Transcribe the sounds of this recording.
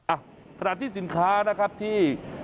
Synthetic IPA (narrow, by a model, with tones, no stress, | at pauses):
a˧˨ | kʰa˧naː˨˩t̪ʰːiː˥˩si˩˦nkʰaː˦˥na˦˥kʰa˦˥p̚t̪ʰiː˥˩